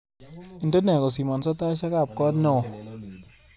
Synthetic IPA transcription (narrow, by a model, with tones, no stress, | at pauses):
i˨ndo˦nɛ˨kɔ˨s̬i˨mɔ˨nsɔ˦ta˦ʃa˦ka˨p̚kɔ˦tnɔ˦˨ɔ˨